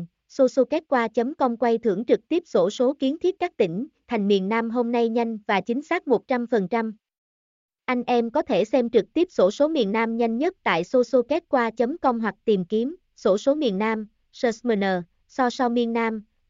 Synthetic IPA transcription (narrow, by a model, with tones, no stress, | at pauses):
so˧so˧kɛ˦˥t̚kwaː˧t͡ɕə˨˦mkə˧wŋ͡mkwa˧jt̪ʰɨ̰˧˩əŋt͡ɕɨ˨˩k̚t̪i˦˥əp̚so˧˩so˨˦ki˨˦ənt̪ʰi˦˥ət̚kaː˦˥k̚t̪ï˧˩ŋ̟t̪ʰa˨˩jŋ̟mḭ˨˩ənːaː˧mɦo˧mna˧jɲa˧jŋ̟vaː˨˩t͡ɕï˨˦ŋ̟saː˦˥k̚mo˨˩t̚t͡ɕa˧mfə˨˩nt͡ɕa˧m | ʔa˧jŋ̟ʔɛ˧mkɔ˨˦t̪ʰe˧˩sɛ˧mt͡ɕɨ˨˩k̚t̪i˦˥əp̚so˧˩so˨˦mḭ˨˩ənnaː˧mɲa˧jŋ̟ɲə˦˥t̚t̪a̰ː˧˨jso˧so˧kɛ˦˥t̚kwaː˧t͡ɕə˨˦mkə˧wŋ͡mɦwa˨˩k̚t̪i˨˩mki˨˦əm | so˧˩so˨˦mḭ˨˩ənːaː˧m | səː˧smə˧nəː˨˩ | sɔ˧sɔ˧mi˧ənːaː˧m